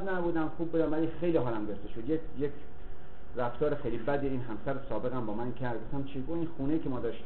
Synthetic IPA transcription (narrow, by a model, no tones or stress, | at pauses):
znæbuːd̪æmxuːb̚bud̪æmvælixe̞jliɦɒːlæmɡoft̪eʃod̪jekjekʰ | ræft̪ʰɒːɾexejlibæd̪eiːnɦæmsæɾosɒːbe̞ɣæmbɒːmænkʰæɾd̪̚ɡoft̪æmt͡ʃʰiɡoiːnxuːnejiːkʰʲemɒːd̪ɒːʃt̪i